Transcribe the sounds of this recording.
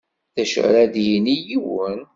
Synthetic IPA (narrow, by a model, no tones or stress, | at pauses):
θæʃʕɾæðjinijiwən